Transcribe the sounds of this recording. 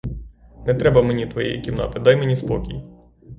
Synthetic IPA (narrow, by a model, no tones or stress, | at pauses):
nɛt̪ɾɛbɐmenʲit̪ʋɔjɛ̰jḭkʲimnɑ̰t̪ɪd̪ɑjmenʲispɔkʲij